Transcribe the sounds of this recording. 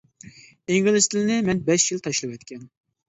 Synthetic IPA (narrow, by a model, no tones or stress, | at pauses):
eŋɡɪlˠɪst̪ʰɪlɪnɪmɛnbɛʃjɪlt̪ʰɑʃlˠɨwɛt̪kʲɛn